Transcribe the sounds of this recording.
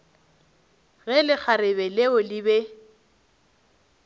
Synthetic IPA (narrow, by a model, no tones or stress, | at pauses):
ɣɛlɪk͡xaɾɪbɛleʊlɪbɛ